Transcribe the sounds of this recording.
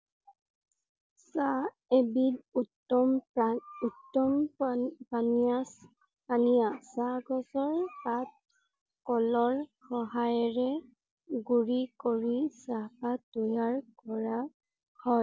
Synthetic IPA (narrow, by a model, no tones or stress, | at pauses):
sa | ebidutɔmutːɔmpana | panijasaɡɔsɔɹpat̚ | kɔlɔɹxɔɦajɔɹɛ | ɡuɹikoɹisapatojaɹkɔɹa | hɔj